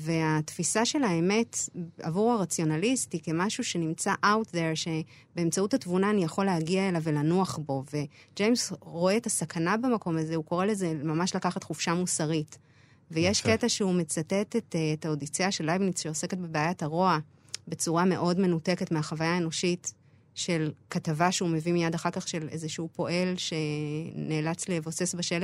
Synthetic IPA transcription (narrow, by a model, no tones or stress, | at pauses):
ve̞atfisaʃe̞laeme̞ta̰vuʁaʁat͡sjo̞nalistike̞maʃuʃe̞nimt͡saʔawtdeʁʃe̞ | be̞ːmt͡sauthatvunaːnijaχo̞leɦaɡiaelave̞lanuaχbo̞ve̞d͡ʒejmsʁo̞eːtasakʰanabemako̞mazehuko̞ʁe̞le̞ze̞mamaʃlakaχatχufʃamusaʁit | vejeʃke̞taʃeumet͡satetetːtaodit͡seaʃelajvniʃejose̞ke̞t̚be̞beajataʁo̞a | bet͡suʁame̞ʔo̞dme̞nute̞ke̞tmeaχavajaeno̞ʃit | ʃe̞lkatavaʃeume̞vimijadaχaʁkaχʃe̞le̞zeʃuupo̞ʔe̞lʃe̞neːlat͡slevo̞se̞sbaʃele